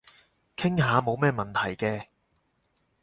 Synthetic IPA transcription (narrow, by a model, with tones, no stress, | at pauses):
kʰɪ˥ŋɦaː˨˧mo˨˧wmɛː˥mɐ˨nt̪ʰɐ˨˩jkɛː˧